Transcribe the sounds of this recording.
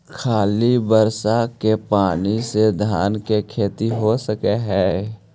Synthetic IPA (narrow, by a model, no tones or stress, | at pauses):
kʰaːlibəɾsakepaːnised̪ʱaːnkekʰeːt̪iɦosəkeɦɛː